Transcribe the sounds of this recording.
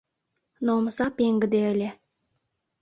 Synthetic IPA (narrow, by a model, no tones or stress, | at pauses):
nomsɑpeŋɡə̆d̪eə̆lʲĕ